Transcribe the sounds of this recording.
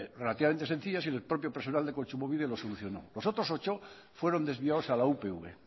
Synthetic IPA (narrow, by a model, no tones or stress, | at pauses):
relat̪iβament̪ese̞nθiʎas̬ilopɾo̞pjopeɾsonald̪e̞kont͡ʃumoβiðelo̞soluθjo̞no̰lo̞sot̪ɾo̞sot͡ʃo | fwe̞ɾond̪e̞zβiaosalaupeuβe